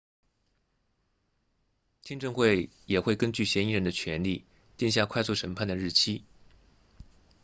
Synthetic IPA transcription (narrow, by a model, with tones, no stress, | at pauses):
t̪ʰi˥ŋʈ͡ʂɤ˥˧ŋxwe˥˩ɪjɛ˨˩xwe˥˩ɪkə˥nt͡ɕy˥˩ɕjɛ˧˥ni˧˥ɻə˧˥nd̪ə˧t͡ɕʰɥɛ˧˥nli˥˩ | t̪i˥˧ŋɕ̬ja˥˧kʰwa˥˧ɪsu˥˩ʂə˧˥npʰa˥˩nd̪ə˩ɻ̩˥˩t͡ɕʰi˥